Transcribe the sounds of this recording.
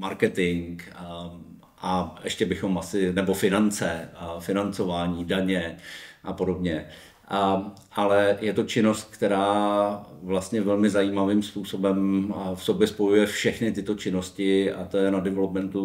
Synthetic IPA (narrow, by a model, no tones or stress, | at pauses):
maɾkɛt̪ɪŋk | ʔaʔɛʃcɛbɪxo̞mʔasɪnɛbo̞fɪnant͡sɛfɪnant͡so̞vaːɲiːdaɲɛʔapo̞do̞bɲɛ | ʔ | ʔalɛjɛt̪o̞t͡ʃɪno̞st̪̚kt̪ɛɾaː | vlast̪ɲɛvɛlmɪzajiːmaviːmspuːso̞bɛmfso̞bjɛspo̞jujɛfʃɛxnɪt̪ɪt̪o̞t͡ʃɪno̞scɪa̰t̪ojɛnadɛvɛlopmɛnt̪u